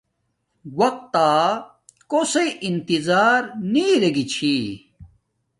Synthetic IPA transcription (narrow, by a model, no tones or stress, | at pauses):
wɐq̚t̪aː | koseʔint̪izaːɾniːɾeɡit͡ɕʰi